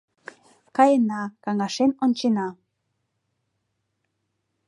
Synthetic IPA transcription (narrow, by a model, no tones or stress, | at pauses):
kɑjənɑkɑŋɑʃenonʲt͡ɕenɑ